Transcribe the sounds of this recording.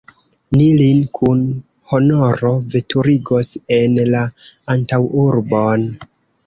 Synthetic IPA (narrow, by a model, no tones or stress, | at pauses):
nilinkʰun | ho̞no̞ɾo̞ve̞tuɾiɡo̞se̞nla | antawuɾbo̞n